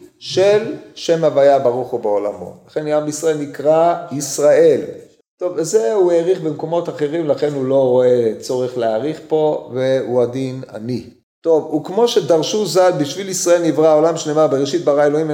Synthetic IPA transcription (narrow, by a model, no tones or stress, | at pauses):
ʃelʃe̞mavajabaʁuχubeola̰mo̰laχe̞namisʁaelnikʁaisʁae̞l | t̪o̞vzeueʁiχbemko̞mo̞t̪aχe̞ʁimlaχe̞nulo̞ʁo̞e̞t͡so̞ʁeχleaʁiχpo̞ve̞uad̪ina̰ni | t̪o̞vukmo̞ʃed̪aʁʃuzalbiʃvilisʁaelnivʁaolamʃnemabeʁeʃit̪̚baʁaeloim